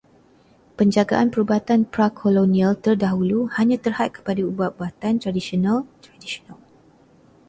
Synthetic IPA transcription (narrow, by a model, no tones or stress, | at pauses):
pəɲd͡ʒaɡa̰ʔanpəɾubat̪anpɾakʰolonĩalt̪ərdaɦuluhaɲãt̪ərhat̪̚kə̥padaubaʔ̚buat̪ant̪ɾadisionãlt̪ɾadisonal